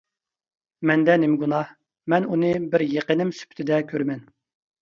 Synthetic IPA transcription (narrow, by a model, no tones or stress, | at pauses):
mɛnd̪ɛnemɪɡunɑh | mɛnunɨbɪɾjeqənɪmsy̥pʰt̪ʰɪd̪ɛkʲʰøɾmɛn